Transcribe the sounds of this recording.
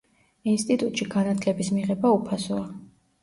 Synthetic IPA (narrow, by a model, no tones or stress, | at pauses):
inst̪ʼit̪ʼut̪ʼʃiɡanat̪ʰlɛbismiʁɛbaupʰasɔa